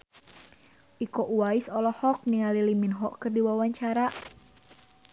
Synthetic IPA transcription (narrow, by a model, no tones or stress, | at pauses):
ʔikɔʔuwaisɔlɔhɔk̚niŋaliliminɦɔʔkərdiwawaɲt͡ʃaɾa